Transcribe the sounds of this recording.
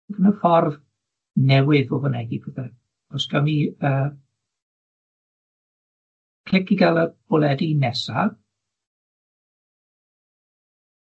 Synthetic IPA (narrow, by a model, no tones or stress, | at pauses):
ɡənəfɔrv | nɛwɨðvovɔnɛɡibəðɛ | ɔsɡ̥amiəː | kʰl̥ɪkiɡalˠəb̥ɔlˠɛdinɛsa